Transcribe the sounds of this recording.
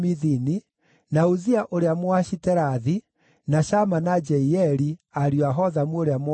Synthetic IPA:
miðini | nauziaʔoɾeamwaɕitɛɾaði | naʃamanad͡ʒɛiɛɾiaɾjoaɦɔðamuoɾeam

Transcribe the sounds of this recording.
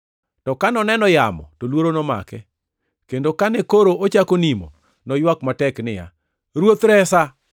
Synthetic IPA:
tɔkanɔnɛnɔjamɔ̰tolwoɾonɔma̰kɛ | kendokanɛkoɾoot͡ʃakonimo̰ | nɔjwakmatɛknɪja̰ | ɾwot̪ɾɛsa

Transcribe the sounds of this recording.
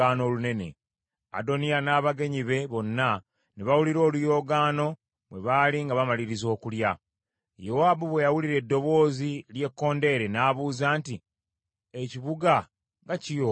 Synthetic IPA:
aːno̞lune̞ne̞̰ | a̰do̞nijanaːβaɡe̞ɲiβe̞βo̞nːa | neβawuliɾo̞ːlujo̞ːɡaːno̞ | βwe̞̰βaliŋɡaβamaliɾizo̞ːkulja | jo̞waːbuβwe̞jawuliɾe̞dːo̞βo̞ːzilje̞kːo̞ːnde̞ɾenaːβuːzaːnti | eciβuɡa | ɡacijo

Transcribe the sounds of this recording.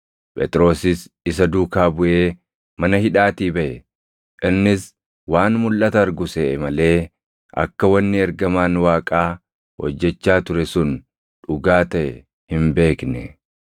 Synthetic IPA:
pʼɛ̰t̪ʼɾo̞ːsɪsɪsɐd̪uːkaːbʊʔe̞ː | mɐnɐhɪᶑaːt̪iːbɐʔɛ | ʔɪnːɪs | waːnmʊlʔɐt̪ɐɐɾɡʊsɛɛmɐle̞ː | ɐ̰kːɐwɐnːɪɛɾɡɐmaːnwaːkʼaː | hɔ̰d͡ʒːɛt͡ʃːaːt̪ʊɾɛsʊn | ᶑʊɡaːt̪ɐʔɛ̰ | hɪmbe̞ːknɛ

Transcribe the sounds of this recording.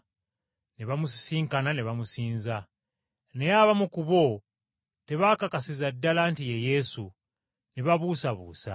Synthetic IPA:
neβamussiːŋkananeβamusiːnza | ne̞jaβamukuβo | te̞βakakasizadːalantijeje̞su | neβaβuːsaβṵːsa̰

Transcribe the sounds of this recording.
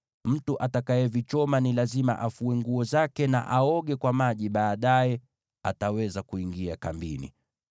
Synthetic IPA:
m̩tuʔatakajɛvit͡ʃɔmanilazima̰ʔafuɛŋɡuɔzakɛna̰ʔaɔɠɛkwamaʄiɓaːɗajɛ | a̰tawɛzakuiŋɡiakambinḭ

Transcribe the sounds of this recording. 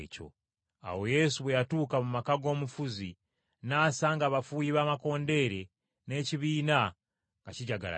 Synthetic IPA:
co̞̰ | a̰wo̞je̞suβwejatuːkamumakaɡo̞ːmufuzi | naːsaŋɡaβafuːjiβaːmako̞ːnde̞ɾe̞ | ne̞ciβiːna | ɡaciɟaɡa̰la̰

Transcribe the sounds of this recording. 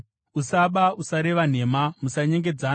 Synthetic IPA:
usaɓausaɾe̞ʋan̤e̞ːmamusaɲe̞ŋɡe̞d͡za

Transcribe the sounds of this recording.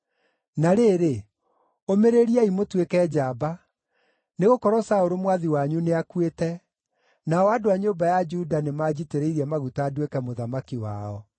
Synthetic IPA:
naɾeɾe | omeɾeɾiaimotwekɛːd͡ʑaːba | neɣokɔɾɔsaoɾomwaðiwaɲuneakwetɛ | naɔadoaɲoːbajad͡ʒudanemaːd͡ʑiteɾeiɾiɛmaɣutaːdwekɛmoðamakiwa̰ɔ

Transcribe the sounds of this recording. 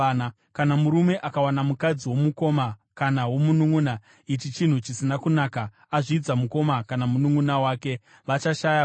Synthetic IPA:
n | kanamuɾume̞ʔakawanamukad͡ziwo̞muko̞makanawo̞munuŋuna | it͡ʃit͡ʃin̤ut͡ʃisinakunaːka | aʐiːd͡zamuko̞makanamunuŋunawaːke̞ | ʋat͡ʃaʃaja

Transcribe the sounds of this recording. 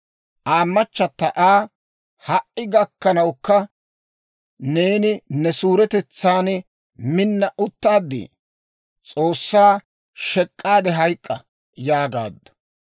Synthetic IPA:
ʔaːmːɐt͡ʃːɐt̪ːɐʔaː | hɐʔːɪɡɐkːɐnɐwkːɐ | neːnɪnɛsuːɾɛt̪ɛt͡sːaːn | mɪnːɐʔʊt̪ːaːd̪ːḭ | t͡sʼo̞ːsːaː | ʃɛkʼːaːd̪ɛɦɐjkʼːɐ | jaːɡa̰ːd̪ːɔ̥

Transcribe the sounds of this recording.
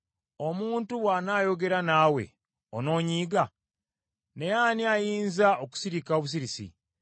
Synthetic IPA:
omuːntuwaːnaːjo̞ɡe̞ɾanaːwe̞̰ | ono̞ːɲiːɡa | nejaːniajiːnzaʔoku̥siɾikaoβus̬iɾisḭ

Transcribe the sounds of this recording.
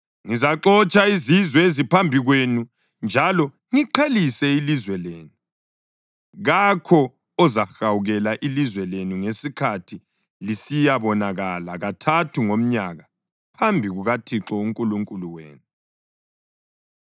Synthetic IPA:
ŋizaǁɔt͡ʃʼaizizwɛezipʰambʱiɣwenu | nd͡ʒʱalɔ | ŋiǃʰelisɛilizwɛleːnu | ɣakʰɔ | ɔzaxawuɣɛlaʔilizwɛlenuŋesikʰatʰi | lisijaβɔnaɣalaɣatʰatʰuŋom̩ɲaɣa | pʰambʱiɣuɣatʰiǁɔuŋkʼuluŋkʼuluwḛːnu

